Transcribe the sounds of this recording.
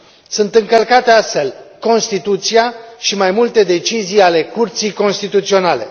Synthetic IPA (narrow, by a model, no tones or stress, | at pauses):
sunt̪ɨŋkəlkat̪e̞ast̪fe̞lko̞nst̪it̪ut̪sijaʃimajmult̪e̞d̪e̞t͡ʃizijale̞kurt̪sijko̞nst̪it̪ut̪sio̞nale̞̰